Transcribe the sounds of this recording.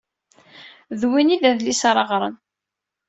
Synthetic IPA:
ðwinilæðlisɑɾˤɑʁɾˤən

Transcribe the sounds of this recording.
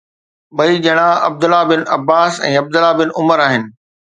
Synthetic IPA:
ɓɐid͡ʑɐɽ̃ãɐb̚d̪ʊlabɪnɐbːaːsɛ̰̃ːɐb̚d̪ʊlabɪnʊməɾaːɦɪnɪ̆

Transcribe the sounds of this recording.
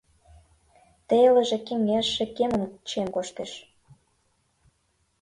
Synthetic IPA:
t̪elə̆ʒĕkeŋeʃĕkeməmt͡ɕemkoʃt̪eʃ

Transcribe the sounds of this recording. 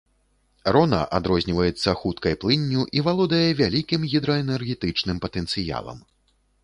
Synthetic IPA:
rɔnɐ̰ʔad̪ɾɔzʲnʲivɐjɛt̪sːɐxut̪kɐjplˠɨnʲːuʔivalˠɔd̪ɐjɛvʲalʲikʲimɣʲid̪ɾɐɛnɛrɣʲɛt̪ɨt͡ʂnɨmpɐt̪ɛnt̪sɨja̰lˠɐ̰m

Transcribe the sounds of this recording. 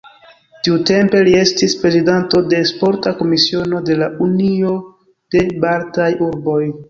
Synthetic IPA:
tiute̞mpe̞lie̞stispɾe̞zidanto̞de̞spo̞ɾtako̞misio̞no̞de̞launio̞ | d̥e̞baɾtajuɾbo̞j

